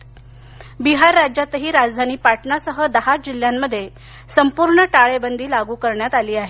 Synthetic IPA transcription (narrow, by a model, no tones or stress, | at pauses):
biɦaɾːad͡ʑjat̪əɦiːɾad͡zd̪ʱañiːpaʈʰɳasəɦəd̪əɦad͡ʑil̤jamːəd̪ʱːje | səmpuɾɳəʈaɭebənd̪ʱiːlaɡuːkəɾɳjat̪aliːaɦe